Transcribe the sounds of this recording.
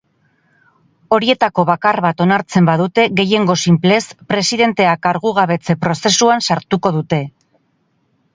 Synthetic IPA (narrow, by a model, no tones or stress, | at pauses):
o̞ɾie̞t̪ako̞βakarβat̪o̞naɾt͡se̞mbaðut̪e̞ɣe̞je̞ŋɡo̞simple̞spɾe̞siðe̞nt̪e̞akaɾɣuɣ̞aβe̞t͡se̞pɾo̞se̞suansaɾt̪uko̞ðut̪e̞